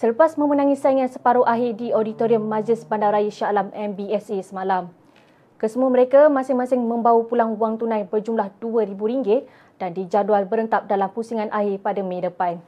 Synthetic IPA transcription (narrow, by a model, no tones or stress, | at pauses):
sələpasmə̃mənãŋĩsaiŋansəpaɾoʔaɦɪdiodit̪oɾiəmːãd͡ʒɪsbandawɾajəʃalamɛmbiɛsesəmalam | kəsəmuaməɾekamãsɪŋmãsɪŋmə̃mbawupulaŋuaŋt̪unãjbərd͡ʒumlahd̥uəɾibuɾiŋɡɪt̪̚ | d̥andid͡ʒadualbəɾənt̪ap̚dalampusiŋãnʔaɦɪpadamẽdəpaj